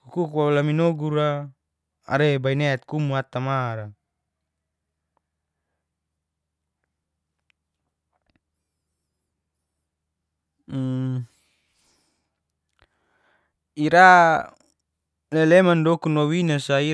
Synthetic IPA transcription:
hukukwalaminoɡuɾa | a̰ɾebainet̪̚kumuat̪amaɾa | iɾa | lelemandɔkunowinasai

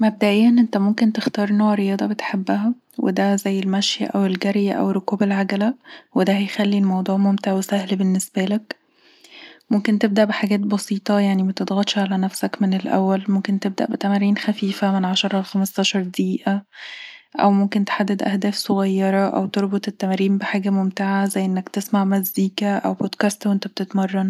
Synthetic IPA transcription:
mæb̚d̪æʔejːænʔent̪æmomkent̪ext̪ɑːɾˤnːoʕɾejɑːd̪ˤɑbet̪ħebːæɦæ | wʔḛd̪æzæjːelmæʃjæ̰ʔæwelɡæɾjæʔæ̰wrˤːokuːbelʕaɡælæwed̪æhæjxælːilmɑwd̪ˤuːʕmomt̪eʕwesæhlbenːesbælæk | momkent̪eb̚d̪æʔbeħaɡæːt̪̚bɑsiːt̪ˤɑjaʕnimæt̪ed̪ɣɑt̪ʃʕalænæfsækmenelʔæ̰wːælmomkent̪eb̚d̪æʔbet̪æmæɾːiːnxæfiːfæmenʕaʃɑɾˤɑlxæmɑsˤt̪ˤɑːʃɑɾˤd̪iːʔæ | ʔæ̰wmomkent̪e̥ħad̪ːed̪ʔæ̰hd̪æːfsoɣæjːɑɾˤɑʔæ̰wt̪eɾˤbot̪ˤet̪ːæmæɾiːmbeħaːɡæmomt̪eʕazæjːʔenːækt̪esmaʕmæzd̪iːkæʔæ̰wbod̪kæst̪wʔent̪æb̚t̪et̪mɑrˤːɑn

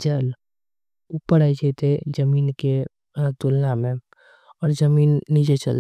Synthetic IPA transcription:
t͡ʃəl | upːəɽait͡ʃʰet̪ed͡ʒəmiːnke | t̪ʊlːamẽ | ɔːɾzəmiːnːid͡ʒet͡ʃə̰l

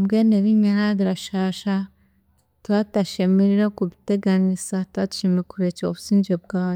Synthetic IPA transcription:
bɡeneβiɲeɾaɡiɾaʃaːʃa | twataʃemiɾiɾekuβiteɡanisatwatu̥ʃemiɾekuɾet͡ʃoβusiːɲd͡ʒeb̚ɡaːj

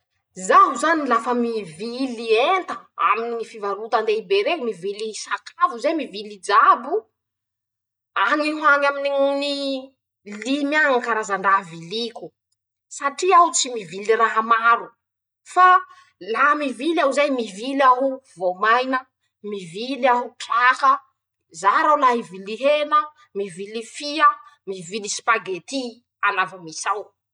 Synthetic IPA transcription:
zaɦuzanilafəmivilient̪əa̰mininifivaɾut̪and̪eibeɾemivilisakʰavuzajmivilid͡ʒabu | aŋiɦwanaminini | limjaŋkaɾazaɳɖ͡ʐavilikʲu̥ | saʈ͡ʂiawut͡simiviliraɦamaɾu | fa | lamivilawzajmivilaɦuvomajnə | mivilaɦuʈ͡ʂahə | zaɾawlaɦiviliɦenə | mivilifiamivilisi̥paɡet̪i | anavamisaw

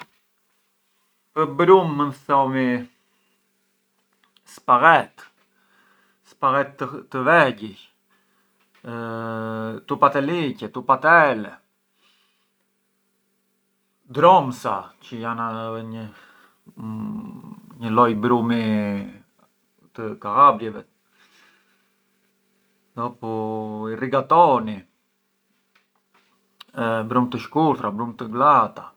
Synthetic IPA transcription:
pəbɾumːənθɔmi | spaɣɛt̪ | spaɣɛt̪ːəːəvɛɟi | t̪upat̪ɛlicɛt̪upat̪ɛlɛ | d̪ɾɔmsacəjanaɛɲə | ɲəlɔjbɾumi | t̪əkaabɾjɛvɛ | d̪ɔpuiriɡat̪ɔni | bɾumt̪əʃkuɾt̪ɾabɾumt̪əɡlat̪a

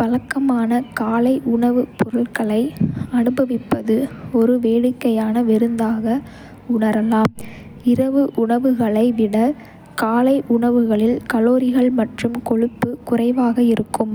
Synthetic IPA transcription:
pɐlɐkːɐmaːnɐkaːlɐɪʔʊɳɐʋɯpʊɾɯɭkɐɭɐɪɐnɯbɐʋɪpːɐðɯɔɾɯʋeːɽɯkːɐjaːnɐʋɛɾɯnd̪aːɣɐ | ʊɳɐɾɐlaːm | ɪɾɐʋɯʔʊɳɐʋɯɣɐɭɐɪʋɪɽɐ | kaːlɐɪʔʊɳɐʋɯɣɐɭɪlkɐloːɾɪɣɐɭmɐʈrɯmkɔɻɯpːɯkʊrɐɪʋaːɣɐɪɾɯkːɯm

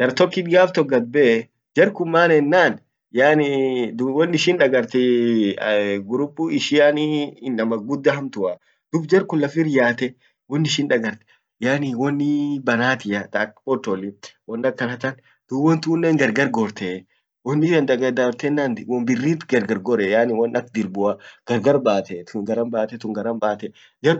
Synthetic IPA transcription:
d̪̥ɐɾt̪ɔkːɪd̪ɪjaːft̪ɔɡɐbe | d͡ʒɐɾkʊmːaːnɛnːaːn | janid̪wɔnːɪʃɪnᶑɐɡɐɾt̪ɛ | ɡʊɾʊpːuɪʃɪjaninːɐmɐɡʊd̪ːɐɦɐmt̪ʊa | d̪̥ʊbd͡ʒɐɾkʊnlːɐfiɾɪjaːt̪ɛ | wɔnːɪʃɪnᶑɐɡɐɾt̪ɛ̥ | jaːniwɔnːɪbɐnaːt̪ɪjat̪apɔt̪ɔlɪwɔnːɐkːɐnɐt̪ɐn | d̪̥ubɔnt̪uːnːeːŋɡɐɾɡɐɾɡoːɾt̪ɛ | wɔnːɪʃɐnd̪ɐɡɐd̪ɐɾt̪ɛnːaːnwɔmbɪrːiːt̪ɡɐɾɡɐɾɡɔɾɛjaːnɪwɐnɐkd̪ɪɾbʊɐɡ̥ɐɾɡɐɾbaːt̪ɛt̪ʊɡɐɾɐmbaːt̪ɛt̪ʊŋɡɐɾɐmbaːt̪ɛ | ɡɐɾʊ

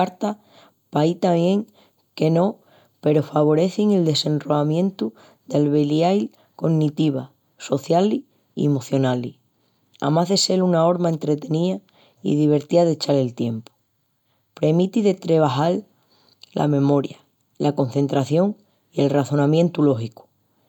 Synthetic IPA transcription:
aɾt̪a | pajt̪aβje̞ŋ | ke̞no̞ | pe̞ɾo̞faβ̞o̞ɾe̞θiŋe̞ld̪e̞se̞nro̞amjẽ̞nt̪u | ðalβeliajl | ko̞ŋnit̪iβa | so̞θjali | iemo̞θjo̞nali | a̰maɦðe̞se̞lunao̞ɾmae̞nt̪ɾe̞t̪e̞nia | ḭðiβ̞e̞ɾt̪iaðet͡ʃale̞lt̪je̞mpo̥ | pɾe̞mit̪iðe̞t̪ɾe̞β̞aɦal | lʔa̰me̞mo̞ɾja | lʔako̞nθẽ̞nt̪ɾaθjo̞ŋ | ie̞lraθo̞nãmje̞nt̪ulo̞xiku̥

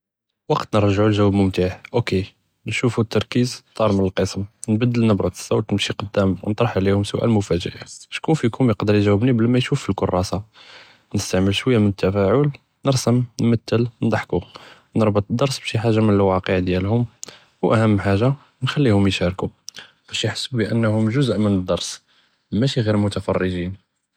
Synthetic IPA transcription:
wɑqt̪nəɾˤʒʕulʒæwæbmʊmt̪aħʔoke | nʃufut̪ːɑɾˤkizt̪ˤːɑɾˤmənəlqəsmnbəd̪ːəlnəbɾˤɑt̪ə̥sːawt̪nəmʃiqəd̪ːæmwnt̪ˤɾˤɑħʕlihʊmsʊʔæ̰lmʊfæd͡ʒə̰ʔaʃkunfikʊmjəqd̪əɾjʒæwːəbnibəlæmæjʃufilkʊrˤːɑsa | nəst̪aʕməlʃwəjːamənət̪ːæfæʕul | nəɾsəmnmæt̪ːəlnd̪ˤɑħku | nəɾˤbət̪ˤəd̪ːɑɾˤsbʃiħaʒːamənəlwɑqəʕd̪jælhʊm | wʔæhəmːħaʒa | nxælːihʊmjʃæɾku | b̥æʃjəħə̥sːbbiʔənːhʊmʒʊzʔmənəd̪ːɑɾˤs | mæʃiɣiɾmʊt̪æfɑ̰rˤːəʒin

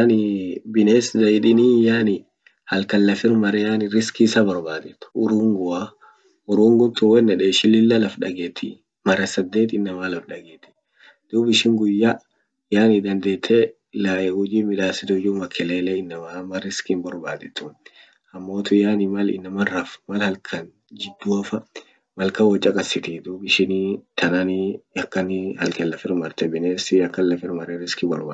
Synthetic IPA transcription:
nɪbɪneːsd̪ɐɪᶑ̪ɪnijaːnɪ | hɐlkɐlːɐfɪɾmɐɾɛjaːnɪɾɪskisɐbɔɾbaːd̪ɛt̪ːʊ̥ʊɾuːŋɡʊa | ʊɾuːŋɡʊnt̪ʊwɛnːɐᶑeːʃɪlɪlːɐlɐfᶑɐɡeːt̪ʰːɪ | mɐɾɐsɐd̪ːe̞ːt̪ɪnːɐmalɐfᶑɐɡeːt̪ːɪ̥ | d̪̥uːbɪʃɪŋɡʊjːa | jaːnɪd̪ɐnd̪eːt̪ʰːe | laʔɛhʊd͡ʒiːmɪᶑ̪aːsɪt̪ʊʊd͡ʒumɐkʰːɛleːleːɪnːɐmaːmɐɾɪskɪnbɔɾbaːd̪ɛt̪ːʊn | hɐmːo̞ːt̪ʊjaːnɪmɐlɪ̰nːɐmɐrːɐfmɐlhɐlkʰɐn | d͡ʒɪd̪ːuɐfɐ | mɐlkɐwɐt͡ʃʼːɐkʼɐsːɪt̪ɪd̪uːbɪʃɪnt̪ʰɐnɐnɪɐkːɐnɪhɐlkɛlːɐfɪɾmɐɾt̪ɛbɪneːsɪɐkːɐllɐfɪɾmɐɾɪɾɪskɪbɔ̰ɾbaː

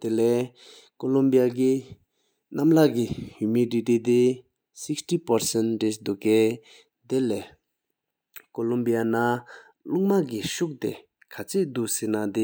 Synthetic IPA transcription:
t̪elɛː | kolumbiak̬i | namlakihumiditit̪e | sikstipaɹsɛndesd̪uʔkɛː | t̪elɛ | kolumbijana | luŋmakiɕuk̚t̪ḛ | kʰat͡ɕʰeʔd̪uʔsenad̪e

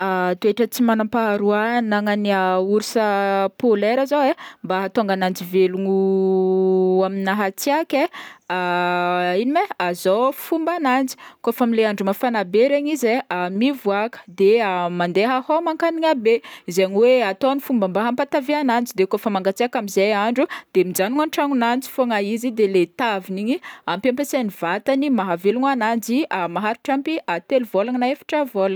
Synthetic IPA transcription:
at̪ueʈ͡ʂət͡simanampaɦaɾuanaŋaniauɾisəpoleɾazowembaɦat̪oŋɡanand͡ʒiveluŋu | aminaɦat͡siakʲea | inimeazofumbanand͡zi̥kofamileaɳɖ͡ʐumafanabeɾeɲizeamivuakə̥d̪eamand̪eɦahomaŋkaniŋabezeɲweat̪onifumbambaɦampat̪aveanand͡zid̪ekofəmaŋɡat͡seakamizejaɳɖ͡ʐud̪̥emid͡ʒanuŋanʈ͡ʂaŋunant͡si̥foŋaizid̪elet̪aviniɲiampampesaniv̥at̪animaɦaveluŋanand͡ziamaɦaɾu̥ʈ͡ʂampiat̪eluvolaŋnaefḁʈ͡ʂavola

